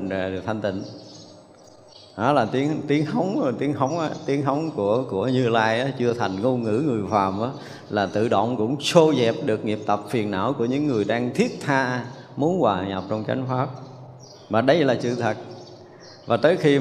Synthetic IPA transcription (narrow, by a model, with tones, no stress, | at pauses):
t̪ʰa˧ŋ̟t̪ḭ̈˧˨ŋ̟ | ɗɔ˨˦laː˨˩t̪i˨˦ənt̪i˨˦ənxə˨˦wŋ͡mt̪i˨˦ənxə˨˦wŋ͡mʔaː˨˧˦t̪i˨˦ənxə˨˦wŋ͡mku˧˩əku˧˩əɲɨ˧laː˧jʔaː˨˦t͡ɕɨ˧ət̪ʰa˨˩jŋŋo˧ŋɨ̰˧˥ŋɨ˨˩əjfaː˨˩mʔaː˨˦ | laː˨˩t̪ɨ̰˧˨ɗo̰˧˨wŋ͡mkʊ̰˧˥ŋ͡mso˧zɛ˨˩p̚ɗɨ˨˩ək̚ŋi˨˩əp̚t̪ə˨˩p̚fi˨˩ənʔa̰ː˧˥wku˧˩əɲɨ̰˧˥ŋːɨ˨˩əjɗaː˧ŋt̪ʰi˦˥ət̚t̪ʰaː˧ | mu˨˦nkwaː˨˩ɲa̰˨˩p̚t͡ɕɔ˧wŋ͡mt͡ɕa̰˧˦jŋ̟faː˦˥p̚ | vaː˨˩ɗə˨˦jlaː˨˩sɨ̰˧˨t̪ʰə˨˩t̚ | vaː˨˩t̪əː˨˦jxi˧